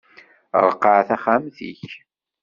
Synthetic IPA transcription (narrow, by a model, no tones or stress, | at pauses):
ɾˤqːəʕθæχæmθḭç